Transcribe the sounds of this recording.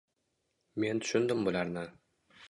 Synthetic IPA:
me̞nt̪ʰʊ̥ʃʊnd̪ɪmbʊlaɾnɪ

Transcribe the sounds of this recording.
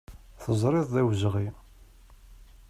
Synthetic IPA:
θəzˤɾˤɪðˤðæwzʁi

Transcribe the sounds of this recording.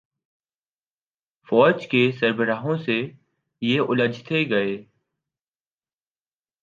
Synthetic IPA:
fɔːd͡ʒkesəɾbəɾaːɦõse | jeʊləd͡ʒʱt̪ʰeɡɐeː

